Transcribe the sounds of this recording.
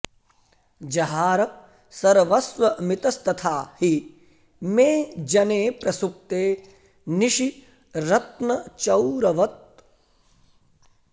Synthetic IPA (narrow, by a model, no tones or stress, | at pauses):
d͡ʒɐɦaːɾɐ | sɐɾʋɐsʋɐmit̪ɐst̪ɐt̪ʰaːhi | meːd͡ʒɐneːpɾɐsup̚t̪eː | niʃi | ɾɐt̪̚nɐt͡ʃɐwɾɐʋɐt̪̚